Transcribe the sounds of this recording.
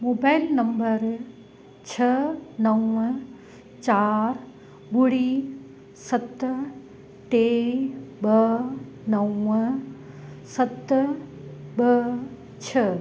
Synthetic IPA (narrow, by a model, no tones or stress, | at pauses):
moːbaːɪlnɐ̃mbəɾ | t͡ʃʰɐnɐw | t͡ʃaːɾ | bʊɽi | sɐt̪ | ʈe | bə | nɐw | sɐt̪ | bə | t͡ʃʰɐ